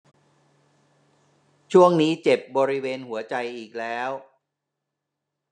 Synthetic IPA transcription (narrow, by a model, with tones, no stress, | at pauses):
t͡ɕʰu˥˩əŋniː˦˥t͡ɕe˨˩p̚bɔː˧ɾi˦˥weː˧nhu˩˦ɐt͡ɕa˧jʔiː˨˩k̚lɛː˦˥w